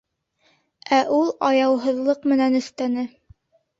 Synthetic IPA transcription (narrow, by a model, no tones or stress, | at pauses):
æʔulˠɑjɑwɦɤ̆ðlˠɤqmɘ̆nænɵ̆θt̪ænɘ